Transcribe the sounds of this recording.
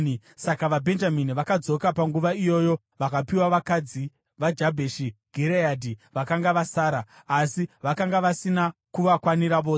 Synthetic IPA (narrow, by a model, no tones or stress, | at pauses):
sakaʋabʱe̞nd͡ʒaminiʋakad͡zo̞kapaŋɡuʋaijo̞ːjo̞ | ʋakapiwaʋakad͡zi | ʋad͡ʒabʱeʃiɡ̥ʱeɾejadʱiʋakaŋɡaʋasaːɾaː | siʋakaŋɡaʋasinakuʋakwaniɾaʋoː